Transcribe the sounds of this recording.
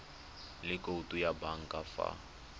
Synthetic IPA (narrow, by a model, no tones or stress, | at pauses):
lɪkʼoutʼujabaŋ̩kʼafa̰